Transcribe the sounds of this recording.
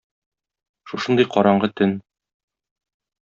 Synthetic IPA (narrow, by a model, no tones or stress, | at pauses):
ʃuʃɤnd̪ɤjqɒɾɑɴɢɤt̪ɘn